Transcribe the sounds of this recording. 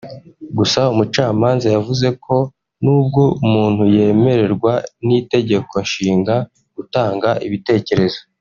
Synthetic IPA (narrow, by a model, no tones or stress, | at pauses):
ɡusaumut͡ʃaːmaːnzajavuze̞kʰo̞ | nuːb̚ɡo̞umuːnhuje̞ːme̞ɾe̞ɾɡwanite̞ɟe̞ko̞nʃiːŋɡa | ɡ̥utaːŋɡaʔiβite̞ːce̞ɾe̞zo̞